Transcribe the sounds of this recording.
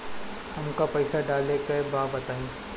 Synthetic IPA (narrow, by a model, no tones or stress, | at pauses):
hɐmkapɐɪsaɖaːlekebaːbɐt̪aːĩː